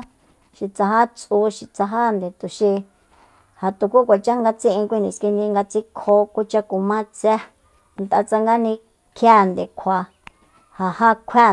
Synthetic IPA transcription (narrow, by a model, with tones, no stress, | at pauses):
ʃi˧t͡sa˧ɦa˦t͡sʼu˧˦ʃi˧t͡sa˧ɦa˦nd̪e˨t̪u˨ʃi˧ | ha˨t̪u˨ku˦kʷa˨t͡ʃa˦ŋɡa˧t͡sĩ˦ʔĩ˧kʷi˦˧nĩ˧˨ski˧nd̪ĩ˧ŋɡa˧t͡si˦kʰo˦ku˦t͡ʃa˧ku˨mã˦˧t͡sɛ˦ | nt̪a̰˧t͡sa˧ŋɡa˦nĩ˧ | kʰja˦nd̪e˨kʷʰa˧˨ | ha˨ha˦kʷʰa˦